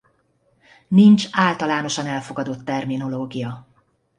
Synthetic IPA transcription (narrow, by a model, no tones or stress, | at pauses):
nint͡ʃaːlt̪ɒlaːno̞ʃɒnɛlfo̞ɡɒd̪o̞t̪ːɛrmino̞loːɡijɒ